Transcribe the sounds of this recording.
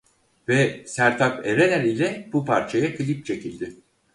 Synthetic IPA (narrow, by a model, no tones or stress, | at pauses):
vɛsæɾt̪ʰapeɾenæɾilʲɛbupʰaɾt͡ʃʰajakʰɯlʲip̚t͡ʃʰe̞cʰilʲd̪ɪ